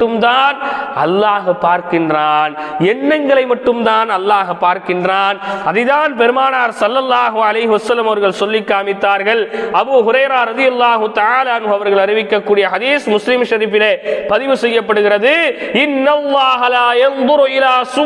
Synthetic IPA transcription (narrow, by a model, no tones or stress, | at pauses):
ɯmt̪aːnɐlːaːɣɐpːaːɾkɪndraːn | ɛnːɐŋɡɐɭɐɪmɐʈːɯmt̪aːnɐlːaːɣɐpːaːɾkɪndraːnɐðɐɪðaːnpɛɾɯmaːnaːɾsɐlːɐlːaːɦʊɐlɐɪɦɪʋɐsɐlːɐmɐʋɐɾɣɐɭsɔlːɪkːaːmɪt̪ːaːɾɣɐɭʔɐbuːɦʊɾɐɪɾaːɾɐðɪjɐlːaːɦʊt̪ɐʕaːlaːɐnɦʊɐʋɐɾɣɐɭɐrɪʋɪkːɐkːuːɽɪjɐhɐðiːsmʊslɪmʃɐɾifɪlepɐðɪʋɯsɛjːɐpːɐɽɯɣɪrɐðɯɪnːɐlːaːɦɐlaːjɐnd̪ʊɾɪlaːsʊ